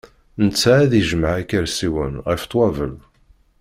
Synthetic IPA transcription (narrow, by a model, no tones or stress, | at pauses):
nət͡sːaæðiʒmaʕækːæɾsiwə̰nʁift̪ˤːwɑvə̰l